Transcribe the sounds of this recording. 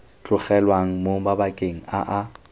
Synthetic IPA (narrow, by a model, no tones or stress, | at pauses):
t͡ɬʼʊχɛlwaŋ̩moŋ̩babakʼeŋ̩aʔa